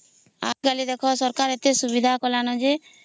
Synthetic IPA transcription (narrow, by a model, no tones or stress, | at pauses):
a̰ɡalid̪ɛkʰɔsɔɾkaɾet̪esubid̪ʱakɔlanɔd͡ʒe